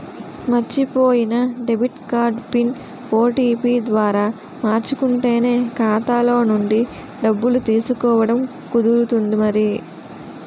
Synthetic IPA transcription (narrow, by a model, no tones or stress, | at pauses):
mɐɾt͡ʃipo̞ːjinɐɖebʱiʈkaːɾɖpin | o̞ːʈiːpiːd̪ʋaːɾaː | maːɾt͡ʃukuɳʈe̞ːne̞ːkaːt̪aːlo̞ːnuɳɖi | ɖɐbːulut̪iːsukɔːʋɐɽɐm | kud̪uɾut̪und̪imɐɾi